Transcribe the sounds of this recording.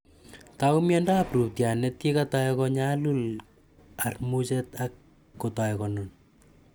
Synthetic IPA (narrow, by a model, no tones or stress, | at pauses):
taumjɛndaprup̚tjanɛt̚kekatajɛkɔɲalul | armut͡ʃɛt̪akː | otajɛkɔnon